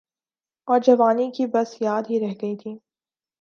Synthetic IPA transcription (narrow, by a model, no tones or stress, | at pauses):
ɔːɾd͡ʒɐʋaːnikibɐsjaːd̪ɦiɾɛɦɡɐit̪ʰiː